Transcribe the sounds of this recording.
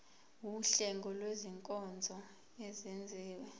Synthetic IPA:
wuɬɛŋɡʱɔlweziŋkʼɔnd͡zʱɔ | ezind͡zʱiːwɛ

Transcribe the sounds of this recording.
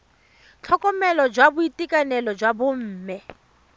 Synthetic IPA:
t͡ɬʰɔkʼɔmɛlɔd͡ʒwabʊitʼikʼanɛlɔd͡ʒwabʊm̩ːmɛ

